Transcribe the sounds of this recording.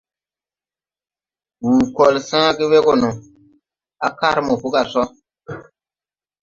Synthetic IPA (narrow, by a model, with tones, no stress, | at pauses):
wuː˨kɔ˨lsãː˦ɡi˦we˦ɡɔ˨nu˨ | a˨ka˦ɾmɔ˨pu˦ka˨sɔ˦